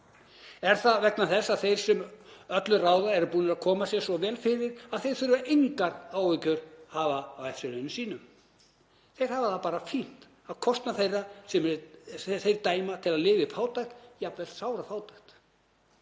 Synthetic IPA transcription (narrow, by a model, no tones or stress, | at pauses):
ɛɾ̥θaðvɛknaθɛsːaðθejɾ̥sɛmœt̪lʏraːwðaɛɾʏpuːnɪɾaðkʰɔːmasjɛ̥sɔvɛːlfɪɾɪɾaðθejɾ̥θʏɾʏvaʔejŋkaɾaːwvɪcʏɾ̥haːvaːwɛfsɪɾʏnʏsiːnʏm | θej̥haːvɪðapaːɾafin̥t̪ | aðkʰɔst̪naθejrːasɛm | θejɾt̪aːjmat̪ʰɪlaðlɪːvɪfaːwt̪ajxt̪japvɛl̥t̪saːwɾafaːwt̪ajxt̪